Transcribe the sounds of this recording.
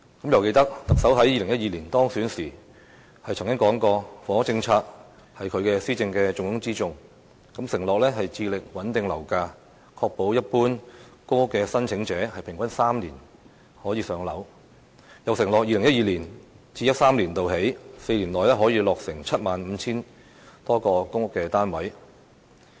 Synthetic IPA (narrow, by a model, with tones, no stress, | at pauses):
kɐ˨˥mjɐ˨˧wke˧jt̪ɐ˥k̚t̪ɐ˨k̚sɐ˨˥wɦɐ˨˥jiː˧lɪ˨˩ŋjɐ˥iː˨liː˨˩nt̪ɔː˥ŋsyː˨˥nsiː˨˩ | hɐ˨jt͡sʰŋkʲɪ˥ŋkɔː˨˥ŋkɔː˧fɔː˨˥t͡sɪ˧ŋt͡sʰaː˧k̚ | hɐ˨jkʰɵ˧ɥkɛː˧siː˥t͡sɪ˧ŋkɛː˧t͡sʊ˧ŋʊ˧˥ŋt͡siː˥t͡sʊ˧ŋ | kɐ˨˥msɪ˨˩ŋlɔː˨k̚lɛː˥ɦɐ˨jt͡siː˧lɪ˨k̚wɐ˨˥nt̪ɪ˨˧ŋlɐ˨˩wkaː˧ | kʰɔː˧k̚po˨˥wjɐ˥t̚puː˥nkʊ˥ŋʊ˥kːɛː˧sɐ˥nt͡sʰɪ˨˥ŋt͡sɛː˨˧˥hɐ˨jpʰɪ˨˩ŋkɐ˥nsaː˥mliː˨˩n | hɔː˨˥jiː˨˧sœː˨˧ŋlɐ˨˥w | jɐ˨wsɪ˨˩ŋlɔː˨k̚jiː˧lɪ˨˩ŋjɐ˥t̚jiː˨˩liː˨˩nt͡siː˧jɐ˥t̚saː˥mliː˨˩nt̪o˨wɦe˨˥jse˧jli˨˩nlɔː˨jlɛː˥ɦɔː˨˥jiː˧lɔː˨k̚sɪ˨˩ŋt͡sʰɐ˥t̚maː˨nm̩˨˧t͡sʰiː˥n | t̪ɔː˥kɔː˧kʊ˥ŋʊ˥kːɛː˧t̪aː˥nwɐ˨˥j